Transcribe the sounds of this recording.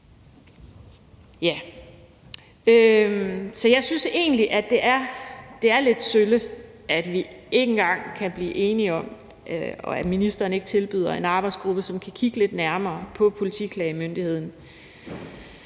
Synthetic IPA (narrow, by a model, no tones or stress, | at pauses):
jæ | ø | sɒ̽jɑ̈ɪsynse̝̰ːnliʔæd̥e̝ʔæɐd̥e̝æɐle̝d̥sølə | ʔæd̥ʋie̝ɡ̥n̩ɡ̥ɑ̈ŋ̰kʰæb̥lḭːʔe̝ːniɒ̽m̰ | ɒ̽æ̥minisd̥ɐːnəe̝ɡ̥ə̥t͡sʰe̝lb̥yð̰ˠɐe̝nɑ̈ːb̥ɑ̈ɪdsɡ̥ʁub̥əsɒ̽mkʰækʰiɡ̥əle̝d̥næɐmɐːpʰɒ̽pʰo̝lit͡sʰḭkʰlɛɪimønd̥ihe̝ð̞̰ˠn̩